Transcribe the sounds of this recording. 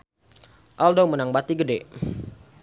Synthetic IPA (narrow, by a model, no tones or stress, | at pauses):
ʔaldowmənaŋbat̪iɡədɛ